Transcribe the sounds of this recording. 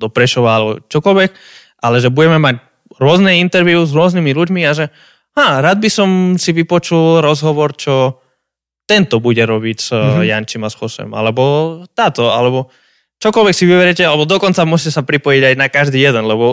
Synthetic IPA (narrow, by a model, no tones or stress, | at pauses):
d̪ɔpɾɛʃɔʋaalɛbɔ̰t͡ʃɔkɔlʋɛk | ʔalɛʒɛbuɟɛmɛmac | ɾʊɔznɛint̪ɛɾʋiuzɾʊɔznimiluɟmiaʒɛ | ɦaːɾad̪̚bisɔmsiʋipɔt͡ʃulɾɔzɦɔʋɔɾt͡ʃɔ | t̪ɛnt̪ɔbuɟɛɾɔbicz̥jant͡ʃimasxɔsɛ̰ma̰lɛbɔt̪aːt̪ɔa̰lɛbɔ | t͡ʃɔkɔlʋɛksiʋiʋɛɾjɛcɛalɛbɔd̪ɔkɔnt͡samʊɔscɛsapɾipɔjiɟajnakaʒd̪iːjɛd̪ɛnlɛbɔ